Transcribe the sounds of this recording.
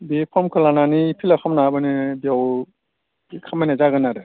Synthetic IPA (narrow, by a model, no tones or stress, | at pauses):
bipʰɔmkʰɯlananipʰilakʰamnabɯnibiaw | ikʰamanazaɡɯnaɾɯ